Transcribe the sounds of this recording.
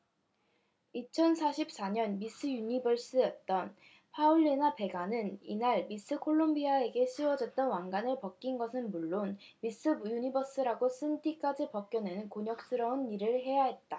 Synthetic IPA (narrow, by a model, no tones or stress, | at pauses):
it͡ɕʰʌnsʰaɕʰip̚s͈aɲʌnmis͈ʰɯjuɲibʌɭs͈ɯjʌt̚t͈ʌn | pʰauɭːinape̞ɡanɯnḭnaɭmis͈ʰɯkʰoɭːombiae̞ɡe̞ɕʰiwʌd͡ʑʌt̚t͈ʌnwaŋɡanɯɭpʌk͈̚inɡʌsʰɯnmuɭːonmis͈ɯbujuɲibʌs͈ɯɾaɡos͈ʰɯndik͈ad͡ʑipʌk̚k͈jʌnɯnkoɲʌk̚s͈ɯɾʌuniɾɯɭɦe̞jaɦe̞t̚t͈a